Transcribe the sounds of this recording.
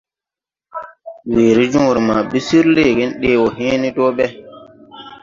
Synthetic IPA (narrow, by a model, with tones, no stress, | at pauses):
we˨ɾi˦d͡ʒũ˦˨ɾi˨ma˨ɓi˦si˦ɾle˦˨ɡe˦nɗe˨˦wɔ˨ɦẽː˦ni˦do˦ɓɛ˦